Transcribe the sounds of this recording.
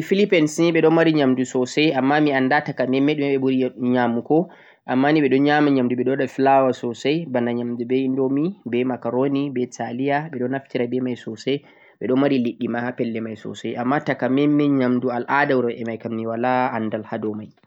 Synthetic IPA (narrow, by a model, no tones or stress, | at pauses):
ifilipɛnsinɓɛɗɔnmaɾiɲamdusɔsɛjamːamiandatakamɛmːɛɗumaɓɛbuɾiɲamukɔ | ʔamːaniɓɛɗɔɲamaɲamduɓɛɗɔɗafilawasɔsajbanaɲamdubɛindɔmibɛmakaɾonibɛtalijaɓɛɗɔnaftiɾabɛmajsɔsɛ | ɓɛɗɔnmaɾiliɗːimaapɛlːɛmajsɔ̰sɛjamːatakamɛmːɛɲamdualʔadawɾɔɛmajkamniwalaːndalhadɔmaj